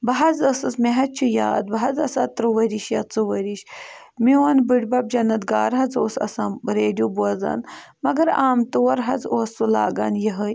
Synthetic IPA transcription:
bɐɦɐd͡zɐsɨsmeɦɐt͡ʃʰujaːd̪bɐɦɐd͡zɐsaːt̪ɾɨʋɐɾiʃjɐt͡suʋɐɾiɕ | miwɐnbɨɽbɐb̚d͡ʒɐnɐt̪ɡaːɾɦɐd͡zoːsɐ̰saːɾeːɖijubuɐd͡za̰ːn | mɐɡɐɾaːmt̪oːɐɾɦɐd͡zoːst͡sula̰ːɡa̰ːnjiɦəj

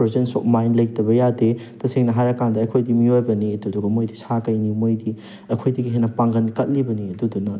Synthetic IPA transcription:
ɾezensopmajnlɐjtɐβɐjadetɐseŋnɐɦajɾɐkandɐɐjkʰojdimiojbɐniɐduduɡɐmojdisakɐjnimojdi | ɐjkʰojdiɡiɦenɐpaŋɡɐnkɐt̚libɐniɐdudunɐ

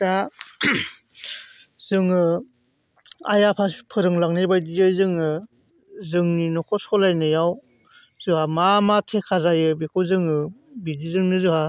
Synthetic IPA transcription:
da | z̥ɯŋɯ | a̰japʰaspʰɯɾɯŋlaŋnajbajdijɯjzɯŋɯ | zɯŋninɔkʰɔsɔlajnɯjaw | z̥ɯhamamatʰekʰazajɯbikʰɯwzɯŋɯbidizɯŋnɯzɯha

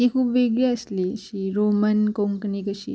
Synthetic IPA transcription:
ikʰuːpʋeɡɭeəsliɕiɾomənkoŋknikəɕḭː

